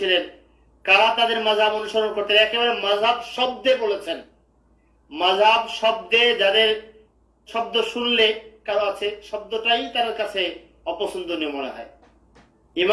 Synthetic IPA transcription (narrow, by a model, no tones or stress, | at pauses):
ilen | kaɾat̪ad̪eɾmad͡ʑʱɦabonuʃoɾonkoɾt̪eɛkebaɾemad͡ʑʱɦabʃɔb̚d̪ebolet͡ɕʰen | mad͡ʑʱɦabʃɔb̚d̪ed͡ʑad̪eɾ | ʃɔb̚d̪oʃunlekaɾoat͡ɕʰeʃɔb̚d̪oʈajt̪ad̪eɾkat͡ɕʰe | ɔposond̪ʱoniomoneɦɔ̰e | im